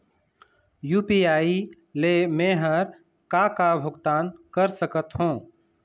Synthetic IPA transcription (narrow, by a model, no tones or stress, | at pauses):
juːpiːaːi | lemẽːɦəɾ | kakabʱʊɡt̪aːnkəɾsəkət̪ɦũː